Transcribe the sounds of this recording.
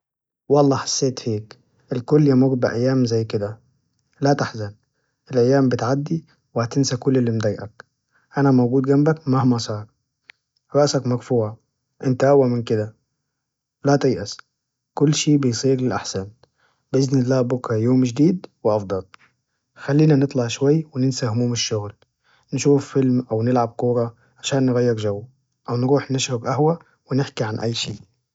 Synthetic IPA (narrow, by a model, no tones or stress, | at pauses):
wɑlˤːɑːħḁsːeːt̪heːk | ʔɪlkʊlːjamuɡd̪̚bɪʔajːaːmzajːkɪd̪a | lat̪aħzan | ʔɪlʔajːaːmbɪt̪ʕad̪ːi | wɪhat̪ɪnsakʊlːɪlːind̪ajʔak | ʔanamawɡuːd̪ɡambakmahmasˤɑːɾˤ | ɾˤɑʔsakmaɡfuːʕa | ʔɪnt̪aʔawːamɪnkɪd̪a | lat̪ɪjʔas | kʊlːʃiːbɪjsˤiːɾlɪlʔaħsan | bʔɪznɪlːaːbʊkːajoːmʒd̪iːd̪wɪʔɑfd̪ˤɑl | xalːiːnanɨt̪ˤlɑʕʃwajːwɪnɪnsahʊmuːmɪʃːʊɣl | nʃuːfːɪlmʔawnɪlʕab̚kuːɾˤɑ | ʕaʃaːnːɪɣajːɪɾʒawː | ʔawnɾuːħnɪʃɾɑɡʔahwa | wɪnɪħkiʕanʔa̰jːʃḭːʔ